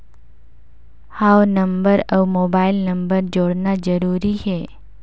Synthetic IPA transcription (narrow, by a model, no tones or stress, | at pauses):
hawnəmbəɾəʋmobailnəmbəɾd͡ʒoɽnad͡ʒəɾuɾit͡ʃʰe